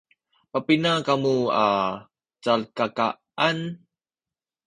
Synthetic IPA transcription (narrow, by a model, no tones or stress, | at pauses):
papinakamua | t͡salkaka | an